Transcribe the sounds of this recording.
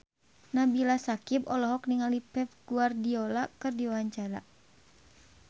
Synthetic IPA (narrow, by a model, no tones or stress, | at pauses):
nabilasakipɔlɔɦɔk̚niŋalipɛf̚ɡuardiɔlakɨrdiwaaɲt͡ʃaɾa̰